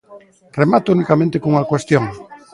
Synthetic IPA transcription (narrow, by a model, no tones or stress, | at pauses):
remat̪ounikamẽnt̪ekouŋakwest̪jõŋ